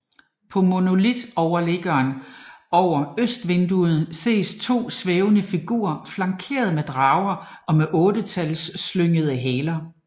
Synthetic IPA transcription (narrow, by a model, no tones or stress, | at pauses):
pʰɒ̽mo̝no̝lid̥ɒʊɐle̝ɡ̥ɐːnɒʊɐøsd̥ʋe̝nd̥uð̩ˠse̝̰ːst͡sʰo̝̰ːsʋeːʊnəfiɡ̥ṵːɐflɑ̈ŋkʰe̝̰ːɐð̞ˠmed̥ʁɑ̈ʊɐɒ̽meʔɔ̽ːd̥ət͡sʰælsːløŋ̰əð̞ˠəɦɛːlɐ